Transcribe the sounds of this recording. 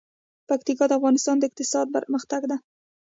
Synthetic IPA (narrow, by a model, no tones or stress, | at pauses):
pakt̪ikɑd̪əafɣɑnɪst̪ɑnd̪aɪq̚t̪ɪsɑd̪̚baɾməxt̪aɡd̪a